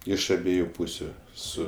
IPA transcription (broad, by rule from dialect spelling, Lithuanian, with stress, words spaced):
ˈɪʃ ɐˈbʲiɛjʊ ˈpuːsʲʊ ˈsʊ